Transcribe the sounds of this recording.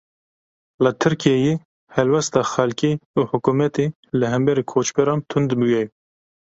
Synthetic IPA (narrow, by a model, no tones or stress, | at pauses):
lət̪ʰɨɾkijeje | hɛlwɛst̪ɑxɛlkiuːhʊkumɛt̪eː | lɨɦɛmbɛɾeːkʰoːt͡ʃbɛɾɑːnt̪ʰʊnd̪bujɛ